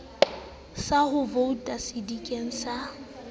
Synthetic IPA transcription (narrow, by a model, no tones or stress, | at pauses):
sahʊvoutʼasidikʼeŋ̩sa